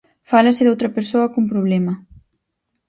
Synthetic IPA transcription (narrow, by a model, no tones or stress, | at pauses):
falaseðawt̪ɾapeɾsoakumpɾuβ̞lɛma